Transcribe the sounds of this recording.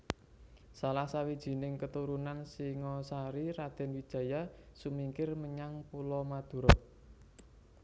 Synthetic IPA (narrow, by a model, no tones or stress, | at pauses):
salahsawid̥ʒ̥i̤nɪŋkət̪uɾunansiŋɔsaɾiɾad̪̥ɛ̤nwid̥ʒ̥ä̤jasumiŋkɪrməɲaŋpulɔmad̪̥ṳɾɔʔ̚